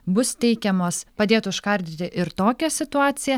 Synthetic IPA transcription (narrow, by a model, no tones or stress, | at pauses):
bʊst̪ʲɛɪkʲɛmoːspɐd̪ʲeːt̪ʊɪʃkɐɾʲd̪ʲɪt̪ʲɪʔɪɾt̪oːkʲɛsʲɪt̪ʊɑːt̪sʲɪjɛ